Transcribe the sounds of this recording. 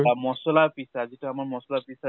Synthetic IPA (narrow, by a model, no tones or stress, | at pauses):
mɔsɔlapisaazitʊamaɹmɔsɔlapisa